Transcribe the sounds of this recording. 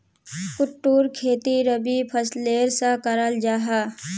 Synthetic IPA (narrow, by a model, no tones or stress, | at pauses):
kʊʈːuːɾkʰeːt̪iɾəbipʰəsleːɾsakəɾəld͡ʒaːɦaː